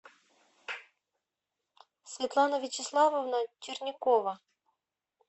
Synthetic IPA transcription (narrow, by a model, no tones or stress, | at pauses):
sʲvʲit̪lˠɑnɐʋʲit͡ʃɪslˠɑʋɔwnɐt͡ʃirnʲɪkɔʋɐ